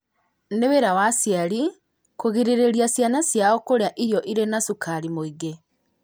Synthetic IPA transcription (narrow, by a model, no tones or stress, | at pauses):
neweɾawasjaɾi | koɣiɾeɾeɾiasjanasjaɔkoɾeaʔiɾjɔʔiɾenasukʰaɾimoiɡe